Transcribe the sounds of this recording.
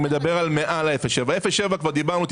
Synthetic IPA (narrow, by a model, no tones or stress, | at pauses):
med̪abe̞ʁalmeʔalaefeʃevaefeʃevakvaʁd̪ibaʁnut̪